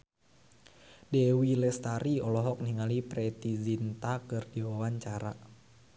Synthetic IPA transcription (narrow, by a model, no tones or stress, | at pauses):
dɛwilɛst̪aɾiɔlɔɦɔk̚niŋalipɾɛt̪izint̪akɨrdiwawaɲt͡ʃaɾa̰